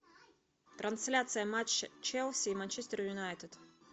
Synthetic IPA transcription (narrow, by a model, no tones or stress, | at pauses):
t̪ɾɐnsʲlʲat̪sɨjəmat͡ʃt͡ʃɛlˠsʲiːmanʲt͡ʃɛsʲt̪əɾjʊnajt̪ɨd̪̥